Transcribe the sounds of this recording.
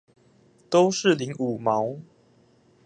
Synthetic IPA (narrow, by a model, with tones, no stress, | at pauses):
t̪o˦ʊʂɻ̩˥˨li˨˦ŋu˨˩mɑ˨˧˦ʊ